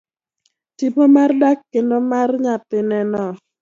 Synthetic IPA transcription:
tipomardakːendomarɲapɪnɛnɔ

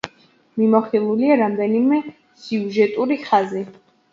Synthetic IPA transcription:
mimɔχilˠuliaɾamd̪ɛnimɛ | siuʒɛt̪ʼuɾiχazi

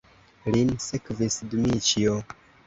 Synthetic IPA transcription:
linsekvisdumit͡ʃio

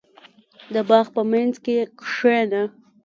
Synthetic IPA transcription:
d̪əbɑxpəmanzkekʂena

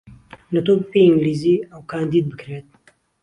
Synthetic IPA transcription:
nɐt̪oːbɨpeːiŋɡliːziːɐwkʰaːnd̪iːd̪̚bɨkɾeːt̪̚

